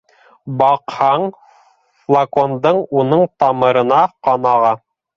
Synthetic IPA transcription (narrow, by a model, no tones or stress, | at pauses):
bɑqhɑɴ | flˠakond̪ɤɴunɤɴt̪ɑmɤ̆ɾɤ̆nɑqɑnɑʁɑ